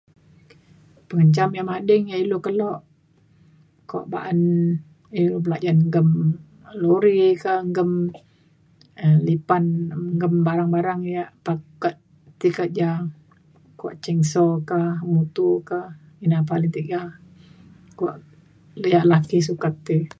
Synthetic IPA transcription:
pəŋəɲt͡ʃamjamadəŋjaʔilokəlɔʔ | ka̰ʔba̰ʔan | ilobəlaʔd͡ʒanŋɡəm | loɾikahŋɡəm | əlipanŋɡəmbaɾaŋbaɾaŋjaʔpakət̪ | t̪ikəʔ̪̚d͡ʒa | kua̰ʔt͡ʃɛŋsɔkahmut̪ukah | inapalɪŋt̪iʔd͡ʒah | kua̰ʔ | jaʔlakisukat̪ːi

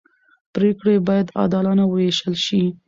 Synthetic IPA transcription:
pɾekɽebɑjad̪ɑ̰d̪ɑlɑnawəjeʃəlʃi

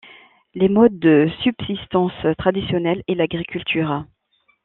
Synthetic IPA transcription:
lemɔd̪ːəsybsist̪ɑ̃st̪χad̪isjɔnɛlelaɡʁikʲylt̪ʰyʁa

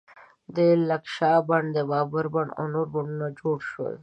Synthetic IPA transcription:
d̪əlɐkʃɑːbaɳd̪əbɑːbaɾbaɳɖo̰noɾbaɳɖunad͡ʒoɽʃwə̰l

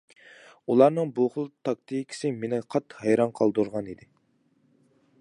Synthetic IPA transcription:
ulˠɑɾnɨŋbuχlˠt̪ʰɑk̚t̪ʰijkʲʰɪ̥sɪmenɪqʰɑt̪ːhɛjɾɑnqʰɑlˠd̪uɾʁɑnid̪ɪ

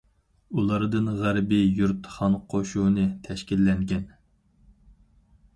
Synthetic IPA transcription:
ulˠɑɾd̪ɨnʁæɾbijuɾt̪χɑnqʰoʃunɨt̪ʰɛʃkʲilːɛŋɡʲɛn

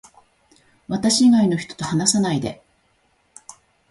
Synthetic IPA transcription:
βat̪aɕiːɡaino̞çʲi̥t̪o̞̥t̪o̞hanasanaid̪e̞̰

